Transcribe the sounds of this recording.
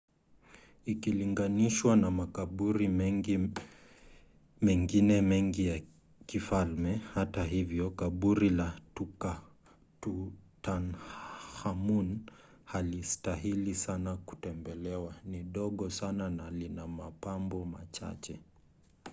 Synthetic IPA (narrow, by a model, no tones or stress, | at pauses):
ikiliŋɡaniʃwanamakaɓuɾimɛi | mɛŋɡinɛmɛŋɡija | kifalmɛhataɦivjɔkaɓuɾilatuka | tutanhamun | halistaɦilisanaku̥tɛmbɛlɛwaniɗɔɠɔsananalinamapambɔma̰t͡ʃa̰t͡ʃɛ